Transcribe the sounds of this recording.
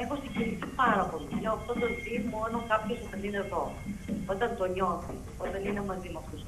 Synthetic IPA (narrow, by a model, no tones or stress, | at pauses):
ixost̪iʝinicipɐɾɐpo̞liineoɐft̪ot̪ot̪imo̞nokapçosumenineðo | o̞t̪ɐnt̪o̞ɲo̞θḭ | ot̪ɐnine̞mɐzimɐft̪us